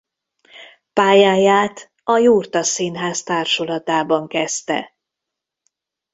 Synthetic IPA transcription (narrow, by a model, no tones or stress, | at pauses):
paːjaːjaːt̪ | ɒjuːrt̪ɒsiːnɦaːst̪aːrʃolɒt̪aːbɒŋkɛst̪ɛ̰